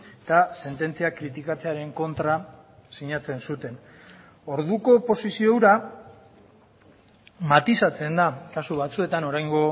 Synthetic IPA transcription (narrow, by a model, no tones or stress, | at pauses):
t̪ase̞nt̪e̞nt͡siakɾit̪ikat͡se̞aɾe̞ŋko̞nt̪ɾasiɲat͡se̞nsut̪e̞n | o̞ɾðuko̞po̞sisiowɾa | mat̪isat͡se̞nd̪akasuβat͡sue̞t̪ano̞ɾajŋɡo̞